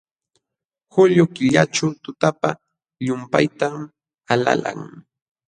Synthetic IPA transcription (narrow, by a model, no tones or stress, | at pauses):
xʊʎʊkɪʎaʈ͡ʂawt̪ʊt̪apa | ʎʊmpajt̪am | ala̰la̰ŋ